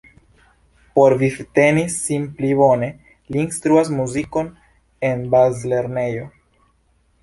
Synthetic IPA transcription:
po̞ɾvifte̞nisimpliβo̞ne̞ | liːnst̪ɾuas̬muziko̞n | e̞nbazle̞ɾne̞jo̞

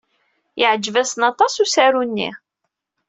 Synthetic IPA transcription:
jəʕd͡ʒvæsənɑt̪ˤɑsusæɾunːḭ

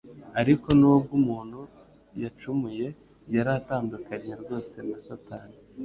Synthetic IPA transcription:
aɾiko̞nuwob̚ɡumuːn̥hu | jat͡ʃumuje̞ | jaɾataːndukaɲɲeɾɡo̞ːse̞nasataːni

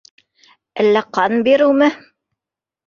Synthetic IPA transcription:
ælːæqɑnbiɾɘwmɘ

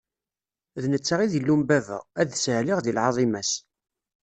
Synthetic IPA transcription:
ðnət͡sːaʁiðilːumbævæ̰ʁæðsəʕliʁðilʕɑðˤimæs

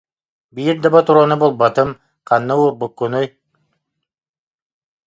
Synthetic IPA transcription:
biɾd̪abat̪uɾanubolˠbat̪ɯm | qʰanːɯwubukːunuj

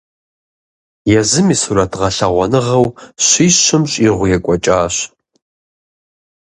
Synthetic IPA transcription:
jɛzɨmisuɾɐtʁɐɬɐʁʷɔnɨʁɐwɕiːɕɨmɕʼiʁʷʊjɛkʷʼɔt͡ʃʼaːɕ

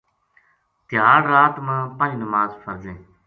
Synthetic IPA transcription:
t̪ɪjaːɾːaːt̪mãːpãːnĩːnəmaːzfəɾd͡ʒẽː

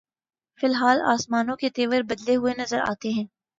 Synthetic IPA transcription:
fɪlɦaːla̰ːsmaːnõket̪eːʋəɾbɐd̪leɦʊenɐzəɾa̰ːt̪eɦɛ̃ː

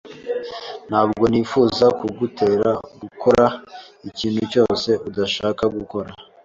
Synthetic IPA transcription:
n̥haːbɡo̞niːfuːzakuɡutʰe̞ːɾaɡukʰoɾa | iciːnhuco̞ːse̞ʔudaʃaːkaɡuko̞ɾa

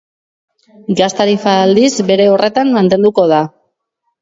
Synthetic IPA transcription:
ɡast̪aɾifald̪izbe̞ɾe̞ore̞t̪anmant̪e̞nd̪uko̞ð̞a

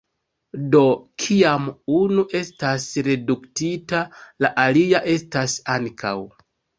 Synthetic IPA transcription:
do̞kʰiamunuʔe̞stasɾe̞duktitalaʔaliaʔe̞stasaŋkʰa̰w

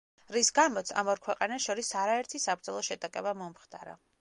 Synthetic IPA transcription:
ɾisɡamɔt̪sʰa̰mɔɾkʰwɛqʼanaʃɔɾisaɾaɛɾt̪ʰisab̚ɾd̪zɔlˠɔʃɛd̪ʼakʼɛbamɔmχt̪ʼaɾa̰

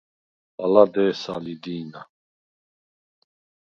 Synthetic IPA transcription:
alad̪ɛːsalid̪iːna

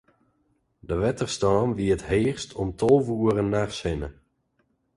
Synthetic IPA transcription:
dəʋɛtərstɔːmʋiətɦeːχstʰɔmtʰɔlˠʋuəɾənːaχsɪnə̰

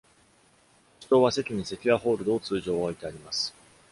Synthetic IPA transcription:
ɕi̥t̪o̞ːβase̞tʲiɲ̟ise̞kʲiaɦo̞ːɾɯ̟d̪o̞ːt͡sɨːʑo̞ːait̪e̞aɾʲimasɨ̥

